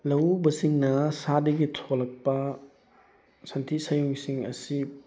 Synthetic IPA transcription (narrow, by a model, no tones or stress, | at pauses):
lɐwbɐsiŋnɐsadɐɡitʰolɐk̚pɐ | sɐntʰisɐjuŋsiŋɐ̰si